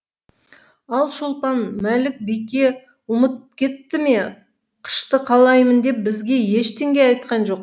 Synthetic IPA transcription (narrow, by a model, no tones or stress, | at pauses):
ɑlˠʃolˠp̪ɑnmælɪk̚bijkʲe̞ | ʊmət̪̚kʲʰe̞t̪ːɪme̞ | qʰə̥ʃt̪əqʰɑlˠɑjmənd̪e̞p̚bɪzɡʲe̞je̞ʃt̪ʰe̞ŋɡʲejɑjt̪̚qɑnʒo̞q